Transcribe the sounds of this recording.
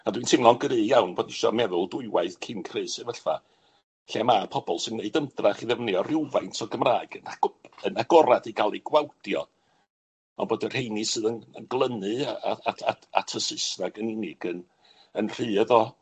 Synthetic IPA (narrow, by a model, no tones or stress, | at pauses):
adwintʰɪmlˠɔnɡɾɨːjawnboːdɪʃɔ̰mɛðʊlˠdʊɨwaɨθkʰɪnkʰrɨːsɨvɛɬfa̰ | ɬɛmapʰɔbɔlˠsɪnːeɨdəmdraχiðɛvnjɔrɪwvajntʰɔɡəmraːɨɡənaɡənaɡɔɾadiɡalˠiɡ̥wawdjɔ | ɔ̰nboːdɛr̥hejnɨsɨːðənənɡlˠənɨaa̰aaa̰tʰəsɨsnaɡənɪnɪɡən | ənr̥ɨːəðɔ